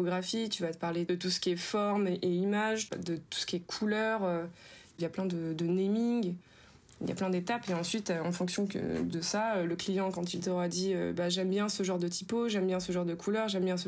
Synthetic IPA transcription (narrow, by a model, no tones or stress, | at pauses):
oɡʁafit̪yvaəpaʁled̪ət̪usə̥kʲiɛfɔʁmʔeimaʒd̪ət̪u̥sə̥kʲiɛkʰulœʁøiljaplɛ̃d̪əd̪ənemiɡ | ḭlja̰plɛ̃d̪et̪apeɑ̃sɥit̪øɑ̃fɔ̃ksjɔ̃kə̰d̪əsaøləklijɑ̃kɑ̃t̪ilt̪ɔʁad̪iø̰baʒɛmbjɛ̃səʒɑ̃ʁd̪ət̪ʰipoʒɛmbjɛ̃səʒɑ̃ʁd̪əkʰulœʁʒɛmbjɛ̃sə